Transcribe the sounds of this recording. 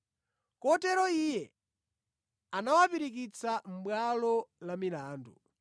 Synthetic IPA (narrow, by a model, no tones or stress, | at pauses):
kɔtɛɾɔijɛ | anawapiɾik̬it͡sʰam̩bwalɔlamilaːndṵ